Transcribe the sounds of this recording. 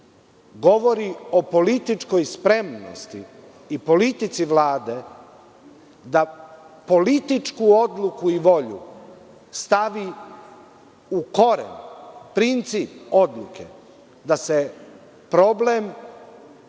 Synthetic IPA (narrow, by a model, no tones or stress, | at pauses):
ɡo̞ʋo̞ɾio̞po̞lit̪it͡ʃko̞jspɾe̞mno̰st̪ḭː | po̞lit̪it̪siʋlaːd̪e | d̪apo̞lit̪it͡ʃkuo̞d̪lˠukuiʋo̞ʎṵ | st̪aʋi | uko̞ɾḛnpɾint̪sipo̞d̪lˠukʰḛ | d̪ase | pɾo̞blem